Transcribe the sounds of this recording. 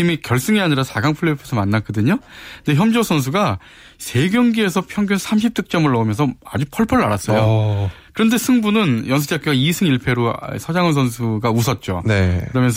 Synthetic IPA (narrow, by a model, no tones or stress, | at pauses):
imikjʌɭs͈ɯŋiaɲiɾasaɡaŋpʰɯɭːepʰesʰʌmanːak͈ʌdɯɲonde̞çjʌmd͡ʑʌsʰʌns̬ʰuɡa | sʰe̞ɡjʌŋɡie̞sʰʌpʰjʌŋɡjunsʰamɕ̬ʰip̚t͈ɯk̚t͡ɕ͈ʌmɯɭːʌɯmjʌnsʰʌad͡ʑupʰʌɭpʰʌɾaɾas͈ʌjo | kɯɾʌnde̞sʰɯŋbunɯnjʌnsʰɯd͡ʑak͈joɡaisʰɯŋiɭpʰe̞ɾo̰sʰʌd͡ʑaŋɯns̬ʰʌns̬ʰuɡausʰʌt̚t͡ɕ͈o̰nekɯɾʌmjʌnsʰʌ